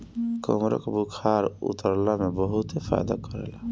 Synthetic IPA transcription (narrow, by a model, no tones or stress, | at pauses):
kɔ̰mɾɔ̰kbukʰaɾṵt̪ɔɾlamebɔɦut̪efa̰jd̪a̰kɔɾḛla